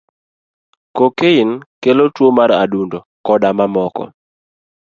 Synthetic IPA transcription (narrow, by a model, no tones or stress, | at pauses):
kokeinkelotwomaɾa̰dundokɔdamamɔkɔ̰